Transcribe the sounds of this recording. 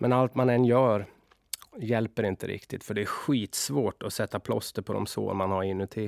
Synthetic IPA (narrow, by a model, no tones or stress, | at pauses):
mʔɛnalt̪manɛnːjœːɾ | jɛlpəɾɪnt̪ə̰ɾʔɪ̰kt̪ʰɪt̪fœɖɛæɧiːt̪svoːʈɔsɛt̪ːapʰlɔ̰st̪əɾpʰɔd̪ɔ̰mso̰ːmanhaɾɪnːɵt̪ʰɪ